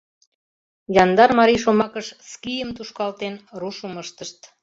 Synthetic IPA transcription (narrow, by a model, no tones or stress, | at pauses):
jɑnd̪ɑrmɑɾiʃomɑkəʃskijəmt̪uʃkɑlt̪enruʃəməʃt̪əʃt̪